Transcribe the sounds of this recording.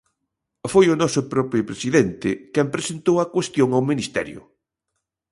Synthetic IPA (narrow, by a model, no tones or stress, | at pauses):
fojʊnɔsʊpɾɔpɾipɾesiðɛnt̪ɪkɛmpɾesent̪owɐkwest̪joŋawminist̪ɛ̰ɾjʊ̰